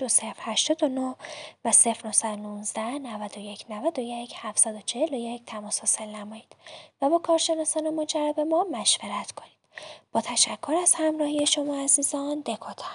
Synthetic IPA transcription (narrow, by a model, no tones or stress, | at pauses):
d̪̥ose̞fɾhæʃt̪ɒːd̪o̞no̞hvæse̞fɾno̞hsæd̪onunzd̪æhnævæd̪o̞je̞cʰnævæd̪o̞jecʰhæfsæd̪o̞t͡ʃʰe̞he̞loje̞cʰt̪ʰæmɒːshɒːse̞lnæmɒːjiːd̪̥væbɒːkʰɒːɾʃe̞nɒːsɒːne̞mod͡ʒæɾːæbe̞mɒmæʃveɾæt̪ʰkʰo̞nid̪̥b̥ɒːt̪ʰæʃækʰːoɾæz̥hæmɾɒːhijeʃo̞mɒːæziːzɒnd̪e̞kʰɒt̪ʰɒ̥